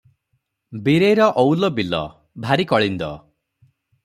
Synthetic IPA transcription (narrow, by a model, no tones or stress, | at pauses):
biɾejɾɔʔɔwlɔbilɔ̰ | bʱaɾikɔɭind̪ɔ̰